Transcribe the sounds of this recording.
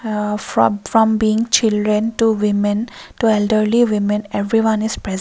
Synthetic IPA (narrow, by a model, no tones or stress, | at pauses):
fɹɔ̃mbiĩŋt͡ʃilɖɹɛ̃nʈuwimɛ̃ntuɛlɖəɹliwimɛ̃nevɹiwãniz̥pɹɛz